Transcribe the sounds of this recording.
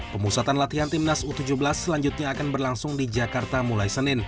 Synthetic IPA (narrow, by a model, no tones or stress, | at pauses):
pəmusat̪anlat̪iɦant̪imnasut̪ud͡ʒuhbəlasːəlaɲd͡ʒʊt̪̚ɲaːkanbərlaŋsʊŋdid͡ʒakart̪amulajsənɪn